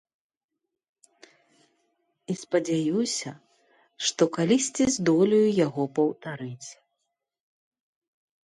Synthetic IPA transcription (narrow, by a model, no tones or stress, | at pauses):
ispɐd͡zʲajusʲɐ | ʂt̪ɔkalʲisʲt͡sʲizd̪ɔlʲijujaɣɔpɐwt̪aɾɨt͡sʲ